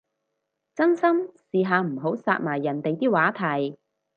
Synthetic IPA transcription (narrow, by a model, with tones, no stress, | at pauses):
t͡sɐ˥nsɐ˥msiː˨˧ɦaː˨˧m̩˨˩ɦo˨˥wsa̰ː˧t̚maː˨˩jːɐ˨˩nt̪e˨jt̪iː˥waː˨˥t̪ʰɐ˨˩j